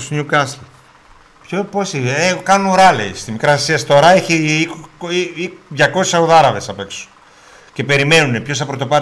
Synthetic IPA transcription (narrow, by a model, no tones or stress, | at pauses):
sɲukɐsl | pçoposiekɐnuɾɐleist̪imikɾɐsiɐst̪o̞ɾɐeçii | ðʝɐko̞sisɐoðɐɾɐvesɐpe̞ksu̥ | ce̞pe̞ɾime̞nune̞pçosɐpɾot̪o̞pɐ